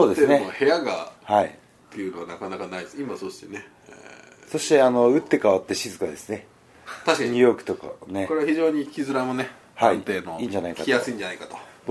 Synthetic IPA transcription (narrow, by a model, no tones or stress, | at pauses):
so̞ːd̪e̞sneohe̞jaɡahaḭ | t̪ːejɯ̟noβanakanakanaid̪esimaso̞ɕi̥t̪ene | ḛ | so̞ɕi̥t̪e̞ano̞ɯ̟t̪ːe̞kaβat̪ːeɕizɨkad̪esɨne̞ | t̪aɕkaɲijo̞ːkɯ̟̥t̪o̞ka̰ne̞koɾeaçiʑo̞ːɲ̟ikʲizɨɾamo̞ne | haĩt̪e̞ːnoĩːɲ̟d͡ʑanaika̰tkijassɨĩɲd͡ʑanaikat̪o̥